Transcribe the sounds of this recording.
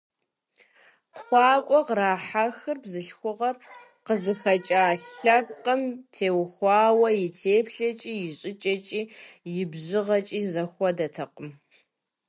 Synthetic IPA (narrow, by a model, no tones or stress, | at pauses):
χʷɑːkʷʼɔqɾaːħaxɨrbzɨɬxʷʊʁɐr | qəzɨxɐt͡ʃʼaːɬɐp̚qəmtʰeːwxʷɑːwɐjɪtʰeːpɬɐt͡ʃʼiːjɪɕʼɪt͡ʃʼɐt͡ʃʼiːjɪbʑɪʁɐt͡ʃʼiːzɐxʷɔdɐtʰɐqəm